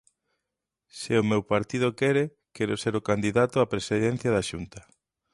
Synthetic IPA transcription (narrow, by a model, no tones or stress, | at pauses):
sɪomewpaɾt̪ið̞okɛɾe | kɛɾoseɾʊkand̪iðat̪ʊapɾesiðen̟θjaðaʃunt̪ɐ